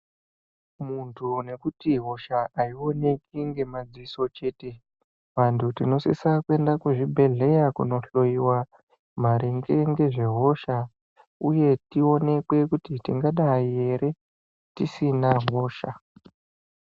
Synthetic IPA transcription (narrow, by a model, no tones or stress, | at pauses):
muntʰune̞kutiɦo̞ʃaaio̞ne̞kiŋɡe̞mad͡ziiso̞t͡ʃe̞ːte̞ | ʋantʰutino̞sḭsakue̞ndakuʐibʱe̞ɮe̞jakuno̞ɬo̞iwa | m̤aɾiŋɡe̞ŋɡe̞ʐe̞ɦo̞ʃa | uje̞tio̞ne̞kwe̞kutitiŋɡaɗaie̞ɾe̞ | tisinaɦo̞ːʃa̰